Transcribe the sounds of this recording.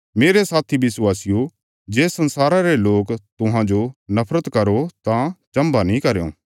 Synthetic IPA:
meːɾesaːt̪ʰibɪswaːsɪjo | d͡ʒeːsɐ̃nsaːɾaɾeloːkt̪ʊɦãd͡ʒonɐpʰɾət̪kɐɾot̪ãt͡ʃɐ̃mbanĩkɐɾjõ̰ː

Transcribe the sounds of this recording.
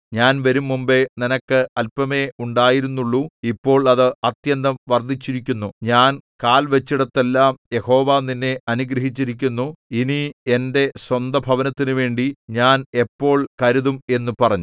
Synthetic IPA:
ɲaːnʋɐɾumːumbeninɐkːɨɐlpɐme̞uɳɖaːjiɾunːuɭːuipːo̞ːɭɐðɨɐt̪jɐnd̪ɐmʋɐrd̪ʱːit͡ɕːiɾikʲːunːuɲaːnkaːlʋɐt͡ɕːiɽɐt̪ːelːaːmje̞ho̞ːʋaːninːe̞ɐnuɡɾɐɦit͡ɕːiɾik̬ʲːunːuinie̞nde̞swɐnd̪ɐbʱɐʋɐnɐt̪ːinuʋe̞ːɳɖiɲaːne̞pːo̞ːɭkɐɾuðume̞nːupɐrɐɲːu

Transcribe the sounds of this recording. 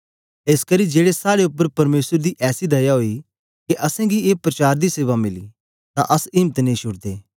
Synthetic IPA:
eːskɐɾid͡ʒeːɽesaːɾeʊpːəɾpɐɾmeːsəɾd̪iʔɛːsid̪ɐjaɦoːi | keʔɐsɛ̃ɡieːpɾɐt͡ʃaːɾd̪iseːʋamɪlḭː | t̪ã̰ʔɐsimət̪nẽĩʃʊɽd̪eː

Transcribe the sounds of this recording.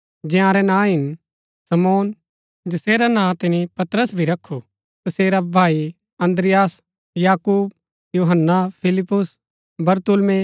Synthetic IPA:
d͡ʒɛ̃ãːɾɛnãːɦɪn | sɐmoːn | d͡ʒɪseːɾanãːt̪ɪnipɐt̪ɾəsbʱiɾɐkʰːu | t̪ɐseːɾabʱaːi | ɐ̃nd̪ɾɪjaːs | jaːkuːb | juːɦənːapʰɪlɪpːʊs | bɐɾt̪ʊlmẽ

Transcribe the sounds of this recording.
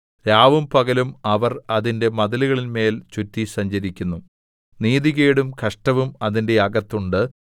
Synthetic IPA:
ɾaːʋumpɐɣɐlumɐʋɐrɐðinde̞mɐðɐliɣɐɭinme̞ːlt͡ɕutːisɐɲd͡ʑɐɾikʲːunːu | niːðiɣe̞ːɽumkɐʂʈɐʋumɐðinde̞ɐɡɐt̪ːuɳɖɨ

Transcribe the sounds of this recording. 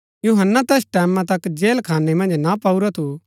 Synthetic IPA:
juɦənːat̪eːsʈɛːmãt̪ɐkd͡ʒeːlkʰaːnemɐ̃nd͡ʒnapauɾat̪ʰu

